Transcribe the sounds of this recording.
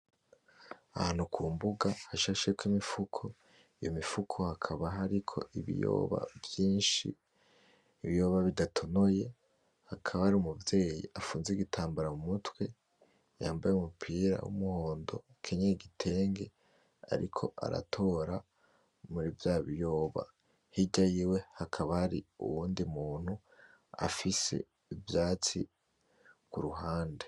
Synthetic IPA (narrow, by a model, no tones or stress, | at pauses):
ahaːnukʰuːmbuɡahaʃaʃekwimifukʰo̞ | ijo̰mifukʰo̞hakʰaβaɦaɾikʰo̞̰iβḭjo̰ːβa̰vjiːnʃḭː | βijo̞ːβaβidatʰo̞noje̞ | hakʰaβahaɾiumuvje̞ːjḭʔafuːnzeɡitʰaːmbaɾamumutwe̞ | ja̰ːmbajeumupʰiɾa̰wṵmuho̞ːndo̞̰ | kʰeɲeɡitʰe̞ːŋɡe̞ | a̰ɾikʰo̞̰ʔa̰ɾa̰tʰo̞ːɾa | muɾivjaːβijo̞ːβa̰ | hiɟajiːwe̞hakʰaβahaɾḭṵwuːndimuːn̥hu | a̰fise̞̰ | ivjaːt͡sḭ | kuɾuɦaːnde̞